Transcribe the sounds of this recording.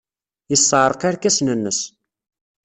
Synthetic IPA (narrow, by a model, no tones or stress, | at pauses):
jəsːəʕɾˤəqaɾkæsnənːəs